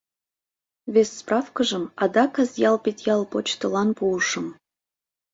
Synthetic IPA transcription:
vʲesʲsprɑfkəʒə̆mɑd̪ɑkɤzjɑlˠpetʲjɑlˠpot͡ɕt̪ɤ̆lɑnpuəʃə̆m

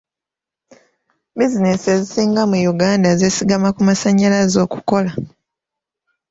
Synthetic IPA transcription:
bizine̞se̞zisiːŋɡamujuɡaːndaze̞siɡamakumasaɲːalazo̞ːku̥ko̞la

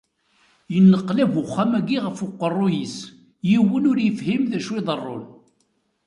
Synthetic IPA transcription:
jənːəqːlævʊχːæmæɡiʁəfʊqːərˤːʊjis | jiwənʊɾjəfhimðæʃwɪðˤərˤːo̰l

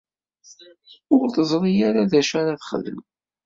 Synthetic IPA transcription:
ʊɾθəzˤɾˤijaɾaðæʃæɾaθχə̰ðəl

